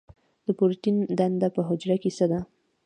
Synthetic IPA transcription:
d̪̥əpoɾt̪ind̪and̪apəɦʊd͡ʒɾakesəd̪a

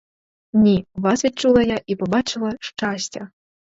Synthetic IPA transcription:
nʲivasvʲit͡ʂulˠɐjaʔipɔbat͡ʃɨlˠɐʂt͡ʂasʲtʲɐ

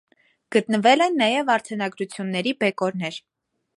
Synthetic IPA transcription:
ɡ̥ət̪nəvɛlɛnːɑjɛvɑɾt͡sʰɛnɑɡɾut͡sʰjunːɛɾibɛkɔɾnɛɾ

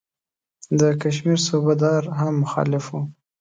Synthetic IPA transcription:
d̪əkaʃ̬miɾsobad̪ɑɾɦamːʊxɑ̰lɪfwu

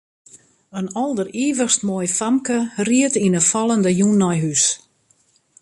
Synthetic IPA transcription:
ənɔlˠdəriːvərstmoːjfamkəriətinəfɔlˠəndəjunɔjɦys

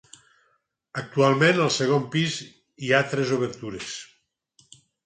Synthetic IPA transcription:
ək̚t̪ualˠmẽnəlˠseɣ̞ompiz | iat̪ɾɛzoβ̞əɾt̪uɾes

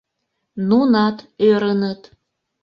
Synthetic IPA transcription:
nunɑt̪øɾənət̪

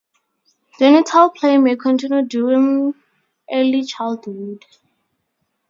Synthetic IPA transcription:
d͡ʒɛnitʰalpʰlẽmekʰɔ̃ntʰĩnjuduɹĩŋ | ʔɛlit͡ʃʰaldwud

